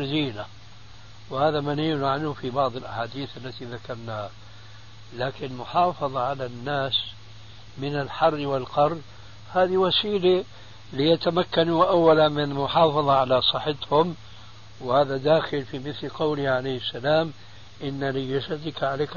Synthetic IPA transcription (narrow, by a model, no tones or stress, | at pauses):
d̪iːna | whaːðamaniːlʕanhʊfibɑʕd̪ˤɪlʔa̰ħaːd̪iːθʔalːat̪iðakɑɾˤnaːha | laːkɪnmʊħɑːfɑðˤɑʕalanːaːs | mɪnalħɑrːwɪlqɑɾˤː | haːðiwasiːla | lɪjat̪amakːanuʔawːalanmɪnmʊħɑːfɑðˤɑʕalasˤɑħɪt̪hʊm | whaːðad̪aːxɪlfimɪθlqɑwliʕalajhɪsːalaːm | ʔɪnːalɪd͡ʒasad̪ɪkʕaleːk